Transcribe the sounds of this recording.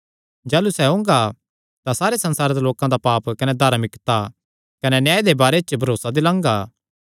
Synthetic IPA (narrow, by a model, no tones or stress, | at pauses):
d͡ʒaːlusɛʊ̃ːŋɡa | t̪ãsaːɾesɐ̃nsaːɾed̪aloːkãd̪apaːpkɐnɛd̪ʱɐɾmɪkt̪a | kɐnɛnjaːjed̪ebaːɾet͡ʃbʱɐɾoːsad̪ɪlãːŋɡaː